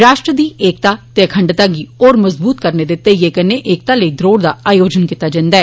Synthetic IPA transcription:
ɾaːʃʈɾəd̪iːʔeːk̚t̪aːt̪eəkʰəɳɖt̪aːɡiːoːɾməzbuːt̪̚kəɾneːd̪ɪt̪ːeːjeːkəneːʔeːk̚t̪aːləiːd̪ɾoːɽd̪aːaːjoːd͡ʒənkiːt̪aːd͡ʒə̃ːnd̪aːɛː

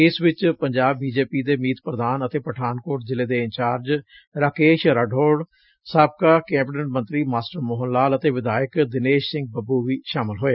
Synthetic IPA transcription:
ɪsʋɪt͡ʃpəɲd͡ʒaːbːiːd͡ʒeːpiːd̪eːmiːt̪pɾəd̪aːnət̪eːpəʈʰaːnkoːɾʈzɪleːd̪eːɪɲt͡ʃaːɾd͡ʒ | ɾaːkeːʃɾaɖʱoːɽ | saːb̚kaːkɛ̃ːbʈəʈmə̃nt̪ɾiːmaːsʈəɾmoːɦənlaːlət̪eːʋɪd̪aːjəkd̪ɪneːʃsɪ̃ŋɡ̚bəbuːʋiːʃaːmɪlɦoːeː

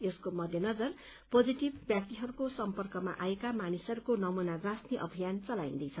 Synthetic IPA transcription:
eskomʌd̪ʱjʌnʌd͡zʌr | pod͡ziʈibːjak̚t̪iɦʌɾukosʌmpʌrkʌma̰ʔaekamanisʌɾukonʌmunarasniʔʌbʱijant͡sʌlaḭ̃nd̪ʌjt͡sʰʌ

